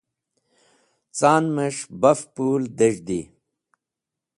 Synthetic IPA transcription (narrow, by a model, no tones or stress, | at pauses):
t͡saːnmɐʂbɐfpuːld̪eʒd̪i